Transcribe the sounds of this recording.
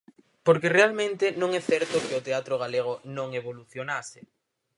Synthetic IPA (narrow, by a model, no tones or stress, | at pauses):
poɾkerealmẽnt̪ɪnõŋɛθɛɾt̪ʊkeot̪eat̪ɾoɣ̞aleɣ̞onõŋeβoluθjonasɪ